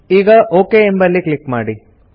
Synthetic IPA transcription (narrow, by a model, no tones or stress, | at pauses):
iːɡɐʔoːkeembɐlːikɭikmaːɽi